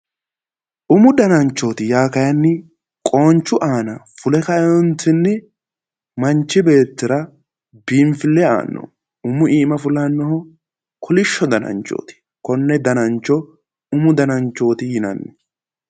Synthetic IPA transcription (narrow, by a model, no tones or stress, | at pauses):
ʔʊmʊd̪ɐnɐnt͡ʃːo̞ːt̪ɪjaːkɐjɐnːɪ | kʼo̞ːnt͡ʃːʊʔaːnɐfʊlɛkɐɛjɔnt̪ɪnːɪ | mɐnt͡ʃːɪbe̞ːt̪ːɪɾɐ | biːmfɪlːɛa̰ːnːɔ̰ | ʊmʊiːmɐfʊlɐnːɔhɔ | kʰɔlɪʃːɔd̪ɐnɐ̰nt͡ʃʼːo̰ːt̪ɪ̥ | kɔnːɛd̪ɐnɐnt͡ʃːɔ | ʊmʊd̪ɐnɐnt͡ʃːo̞ːt̪ɪjɪnɐ̰nːɛ̥